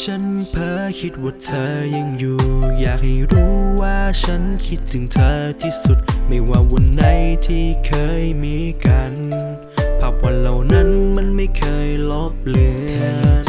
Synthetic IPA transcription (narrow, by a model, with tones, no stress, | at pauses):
t͡ɕʰa˦˥npʰɤː˧˥kʰi˦t̪̚wu˨˩t̪t̪ʰɤː˧ja˧ŋjuː˨˩jaː˨˩k̚ha˧˥˩jɾuː˦˥waː˥˧˩t͡ɕʰa˦˥nkʰi˦˥t̪̚tʰɯ˨˩˦ŋt̪ʰɤː˧t̪ʰiː˧˩su˨˩t̪̚ma˥˩jwaː˧˩wo˧˩nːa˧˩jt̪ʰiː˧˥˩kʰɤː˧jmiː˧˥ka˧n | t̪ʰa˨˩p̚wa˧nla˨˩wna˧˥˨nma˧˥˨nma˥˩jkʰɤː˧jlo˦˥p̚lɯː˧˦